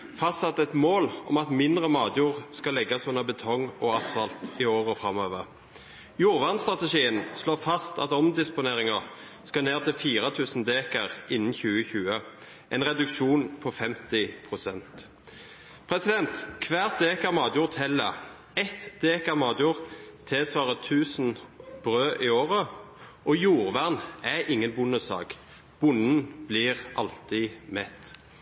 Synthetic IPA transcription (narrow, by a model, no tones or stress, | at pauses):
fɑst̪sɑt̪ːɛt̪moːlɔ̰mɑt̪mɪnd̪ʁəmɑːd̪juːʁskɑlɛɡːɑsɔnːəbət̪ʰɔŋɔɑsfɑlt̪ɪoːʁəfɾɑmøːʋəʁ | juːʁʋɑʁnst̪ʁɑt̪əʃiːənsloːfɑst̪ɑ̰t̪ɔmd̪ɪspʊneːʁɪŋəʁ | skɑneːʁt̪ɪlfiːʁət̪ʰʉːsn̩d̪eːkəʁɪnn̩çʉːəçʉːə | ʔɛnʁɛd̪ʉkʂuːnpʰɔfɛmt̪ɪpʰʁʊsɛnt̪ | pʰʁɛsɪd̪ɛnt̪kʰʋæːʁt̪̚d̪eːkəʁmɑːd̪juːʁt̪hɛlːə̰ | ɛt̪d̪̥eːkəʁmɑːd̪juːʁt̪ʰɛːsʋɑːʁət̪ʰʉːsn̩b̥ʁøːʔɪoːʁə | ʔɔjuːʁʋæʁnæʔɪŋːənbʊnəsɑ̰ːɡ | b̥ʊnn̩b̥lɪːʁʔɑlt̪ɪmɛt̪